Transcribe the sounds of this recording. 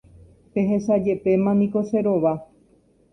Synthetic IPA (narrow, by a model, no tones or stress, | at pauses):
pe̞ɦe̞sad͡ʒe̞pe̞mãnĩko̞se̞ɾo̞ʋa